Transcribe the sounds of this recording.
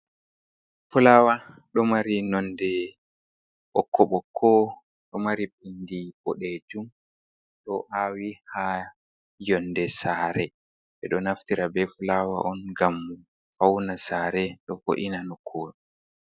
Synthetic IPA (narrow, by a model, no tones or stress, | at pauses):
fulawa | ɗɔmaɾinɔndɛ | ɓɔkʰːɔɓɔkʰːɔ | ɗɔmaɾip̚indibɔɗed͡ʒum | ɗɔʔaːwiha | jɔndɛsaːɾɛ | ɓɛɗɔnaftiɾabɛfulawa̰ʔɔnɡamː | fawnasaːɾɛɗɔfo̰ʔinanɔkʰːoːɗ